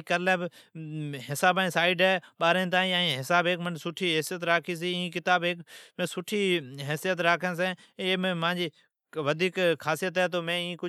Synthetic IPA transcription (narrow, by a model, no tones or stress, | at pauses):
kəlɛːb | ɦɪsaːbaːĩsaːɪɖɦɛːɓaːɾẽːt̪̬ãːĩãːɦɪsaːbeːkmənsʊʈʰiːɦɛːsijət̪ɾaːkʰiːs̬iːĩːkɪt̪aːbɦeːkmẽːsʊʈʰiːɦɛːsijət̪̬ɾaːkʰə̃ns̬ẽː | eːmẽːmãːd͡ʒiː | ʋəd̪ʱiːkkʰaːsijət̪ɦɛːt̪̬oːmẽːĩːkʊ